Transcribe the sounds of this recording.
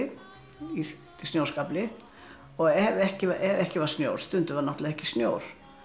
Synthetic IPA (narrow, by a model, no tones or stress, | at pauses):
i | t̪ʰɪsnjowskaplɪ | ɔɣɛvɛhcɪʔɛvɛhcɪvaɾ̥snjoːwɾ̥st̪ʏnt̪ʏvaɾnaht̪laðɛhcɪ̥snjoːwɾ̥